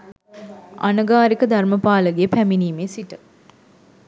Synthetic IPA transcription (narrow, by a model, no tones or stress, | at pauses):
a̰nəɡaːɾikəd̪ʱarməpaːləɡeəpæminiːmeːsiʈə